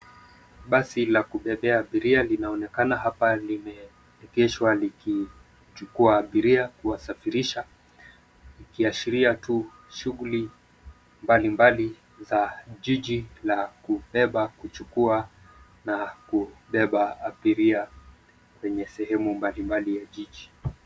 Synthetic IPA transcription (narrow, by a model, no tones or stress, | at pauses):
ɓasilakuɓɛɓɛaːɓiɾialinaɔnɛkanaɦapalimɛ | ɛkɛʃwaliki | t͡ʃukuaːɓiɾiakuwasafiɾiʃa | likiaʃiɾiatu | ʃuɣuli | mbalimbali | zaʄiʄilakuɓɛɓakut͡ʃukua | nakuɓɛɓaaɓiɾia | kwɛɲɛsɛɦɛmumbalimbalijaʄiʄi